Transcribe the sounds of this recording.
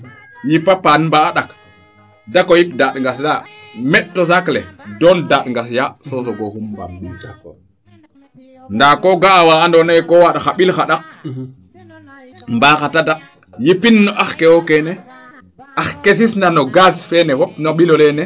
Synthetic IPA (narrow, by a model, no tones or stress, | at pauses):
jipapanmbaaɗak | dakojipdaɗŋɡasjamɛɗtːɔsaklɛdɔndaɗŋɡasjasosɔɡohumba̰mɓi | ndakoɡaːwaːndɔnakɔwaɗaxaɓilxaɗa | mbaːxatada | jipinːɔʔaxkɛwɔkɛnɛ | ʔaxkes̬isndanɔɡasfɛnɛwɔpnoɓilɔlɛnɛ